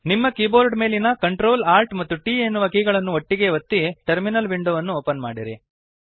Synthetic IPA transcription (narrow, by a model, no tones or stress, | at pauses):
nimːɐkiːboːɾɖme̞ːlinɐkɐɳʈɾo̞ːlaːɾʈmɐt̪ːuʈiːenːuʋɐkiːɡɐɭɐnːuoʈːiɡe̞ʋɐt̪ːiʈeɾminɐlʋiɳɖoːʋɐnːuoːpɐnmaːɽiɾi